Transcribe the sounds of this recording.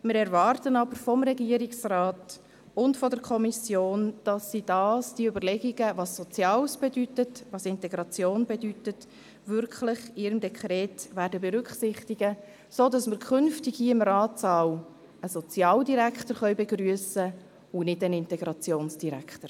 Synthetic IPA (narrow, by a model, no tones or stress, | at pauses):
mɪɾɛɾvɑːrtənɑbəɾfɔmɾɛɡiːəɾiksrɑːt | ʊntfɔdəɾkʰɔmisjoːnd̥ɑsːid̥ɑːsd̥iəʏbəɾlɛɡiɡəvɑsːɔt͡sjɑːlsb̥edytətʋɑsɪntɛɡɾɑt͡sjoːnbedytət | ʋʏɾkʰχlɪχɪːɾəmdɛkχɾɛːtʋæːɾdəbeɾʏkχsɪχtiɡə | soːdɑsməɾkʰχʏnftɪɡhiːɪmɾɑːtsɑw | əsɔt͡sjɑːldiɾækχtəɾχœʏbeɡ̥ɾyəsə | unɪdənɪntɛɡ̥ɾɑt͡sjoːnsd̥iɾæ̰kʰtəɾ